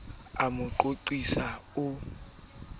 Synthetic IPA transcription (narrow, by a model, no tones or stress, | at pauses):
amʊǃoǃisaʊ